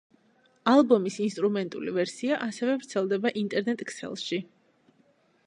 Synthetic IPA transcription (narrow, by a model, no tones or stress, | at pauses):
alˠbɔmisinst̪ʼɾumɛnt̪ʼṵlivɛɾsiaʔasɛvɛvɾt̪sʰɛlˠd̪ɛbaʔint̪ʼɛɾnɛt̪ʼksɛ̰lˠʃi